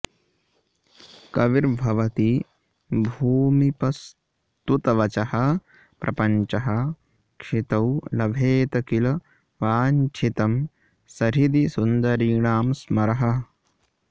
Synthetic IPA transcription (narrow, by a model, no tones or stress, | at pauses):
kɐʋiɾbʱɐʋɐt̪i | bʱuːmipɐs | t̪ut̪ɐʋɐt͡ʃɐhɐ̆ | pɾʔɐ̰pɐɲt͡ʃɐɦɐ̆ | kʂit̪ɐwlɐbʱeːt̪ɐkilɐ | ʋaːnt͡ʃʰit̪ɐm | sɐɾid̪isund̪ɐɾiːɳaːmsmɐɾɐɦɐ̆